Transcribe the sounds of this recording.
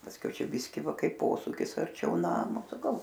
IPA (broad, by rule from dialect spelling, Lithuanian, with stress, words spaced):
pɐsʲˈkʲɛʊ ˈt͡ʃʲɛ ˈbʲɪsʲkʲɪ ˈʋɐ ˈkɐɪp ˈpoːsuːkʲɪs ɐrʲˈt͡ʃʲɛʊ ˈnɑːmoː sɐˈkɐʊ